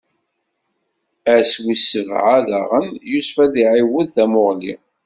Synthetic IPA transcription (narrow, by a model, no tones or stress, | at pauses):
æswisːəvʕaðaʁənjusfæd̪iʕiwəðθæmʊʁlḭ